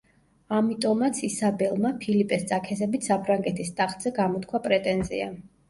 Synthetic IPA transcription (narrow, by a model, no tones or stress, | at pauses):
amit̪ʼɔmat̪sʰisabɛlˠmapʰilipʼɛst̪sʼakʰɛzɛbit̪ʰsapʰɾaŋɡɛt̪ʰist̪ʼaχd̪z̥ɛɡamɔt̪̚ʰkʰwapʼɾɛt̪ʼɛnzḭa̰